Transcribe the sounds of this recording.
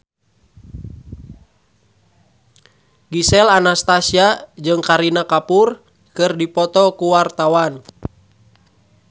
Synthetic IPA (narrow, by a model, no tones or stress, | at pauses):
ɡisɛlanast̪asiad͡ʒɨŋkaɾinakapur | kɨrdipɔt̪ɔkuwart̪awan